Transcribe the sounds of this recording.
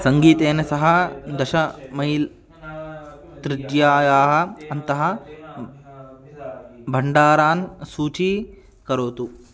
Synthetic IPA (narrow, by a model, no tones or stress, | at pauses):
sɐŋɡiːt̪eːnɐsɐɦɐd̪ɐʃɐmɐjil | t̪ɾɪd͡ʒjaːjaːɦɐ̆ɐnt̪ɐɦɐ̆ | bʱɐɳɖaːɾaːnsuːt͡ʃi | kɐɾoːt̪u